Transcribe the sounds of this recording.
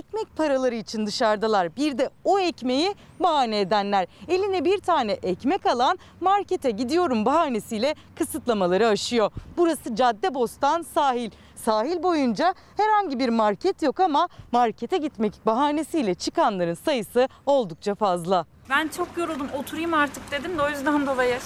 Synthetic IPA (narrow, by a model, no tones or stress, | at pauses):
ic̪mɛc̚pʰaɾalˠaɾɯit͡ʃʰind̪ɯʃaɾd̪alˠaɾbiɾd̪ɛoɛcme̞ji | baɦaːnɛːd̪ænlʲæɾe̞lʲinɛbiɾt̪ʰaːnɛʔɛcmɛkalˠan | maɾcet̪ʰɛɟid̪ijo̞ɾumbaɦaːne̞sijlʲɛ | kʰɯsɯt̪lˠamalˠaɾɯaʃɯjo̞buɾasɯd͡ʒad̪ːɛbo̞st̪ʰansaːɦilʲ | saːɦilʲbo̞jund͡ʒa | hɛɾhaɲɟibiɾmaɾcʰɛt̪jo̞kamamaɾcʰet̪ʰɛɟit̪mɛcbaɦaːne̞sijlʲɛt͡ʃʰɯkanlˠaɾɯnsajɯsɯo̞lˠd̪uk̚t͡ʃʰafazlˠa | bænt͡ʃʰokjoɾulˠd̪umo̞t̪ʰuɾujumaɾt̪ʰɯk̚d̪e̞d̪imd̪ɛojyzd̪and̪o̞lˠajɯ